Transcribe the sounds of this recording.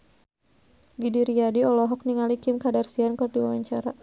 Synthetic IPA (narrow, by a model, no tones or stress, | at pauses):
ɡidiɾiadiɔlɔɦɔk̚niŋalikɪmkadarsiankərdiwawaɲt͡ʃaɾa